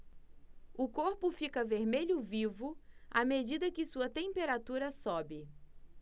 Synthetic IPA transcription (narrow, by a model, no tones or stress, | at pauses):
ʊkoɾpʊfikɐveɾmeʎʊvivʊa̰med͡ʒid̪ɐkɪsuɐt̪ẽpeɾat̪uɾɐsɔbɪ